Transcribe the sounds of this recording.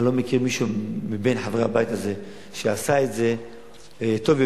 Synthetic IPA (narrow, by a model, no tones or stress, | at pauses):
lo̞mekiʁmiʃumibenħavʁehabajt̪aze̞ | ʃeasaetze̞ | t̪o̞v